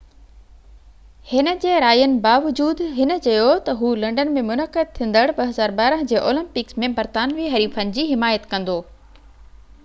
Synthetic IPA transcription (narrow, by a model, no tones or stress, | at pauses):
hɪnə̆d͡ʑeːɾaːjənɪ̆baːʋʊd͡ʑuːd̪ɦɪnə̆t͡ɕɐjot̪ɐɦuːlɐ̃ɳɖənmẽmʊnəqəd̪̚t̪ʰĩːn̆d̪əɽbɐɦɐzaːɾbaːɾəɦə̃d͡ʑeːʔoːlə̃mpɪksmẽbɐɾt̪aːnʋiːɦɐɾiːfənɪ̆d͡ʑiːɦɪmaːjət̪kɐ̃nd̪oː